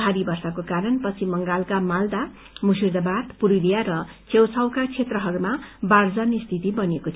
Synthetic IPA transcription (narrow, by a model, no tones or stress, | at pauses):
aɾibʌrsakokaɾʌnpʌt͡sʰimʌŋɡalkamald̪a | musird̪ʌbad̪puɾulijaɾʌt͡sewt͡sʰʌwkat͡sʰet̪rʌɦʌɾumabard͡zʌnist̪ʰit̪ibʌnekot̪ʰ